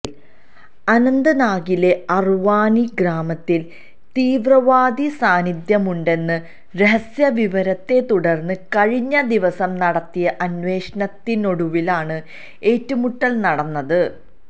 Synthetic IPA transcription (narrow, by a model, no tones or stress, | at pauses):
l | ɐnɐnd̪ɐnaːɡile̞ɐrʋaːniɡɾaːmɐt̪ːil | t̪iːʋrɐʋaːd̪isaːnid̪jɐmuɳɖe̞nːɨ | ɾeɦɐsjɐʋiʋɐɾɐt̪ːe̞t̪uɽɐrnːɨkɐɻiɲːɐd̪iʋɐsɐmnɐɽɐt̪ːijɐʔɐnʋe̞ːʂɐnɐt̪ːino̞ɽuʋilaːɳɨ | e̞ːtːumuʈːɐlnɐɽɐnːɐðɨ